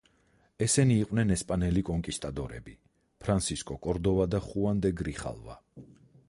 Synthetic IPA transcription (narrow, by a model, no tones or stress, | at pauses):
ɛsɛniːqʼwnɛnɛspʼanɛlikʼɔŋkʼist̪ʼad̪ɔɾɛ̰bi | pʰɾant̪siskʼɔkʼɔɾd̪ɔvad̪aχuand̪ɛɡɾiχa̰lˠva̰